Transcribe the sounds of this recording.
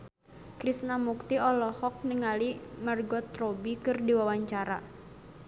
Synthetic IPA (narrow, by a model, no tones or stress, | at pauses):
kɾisnamuk̚t̪iɔlɔhɔk̚nəŋalimarɡɔt̪robikɨrdiwawaɲt͡ʃaɾa̰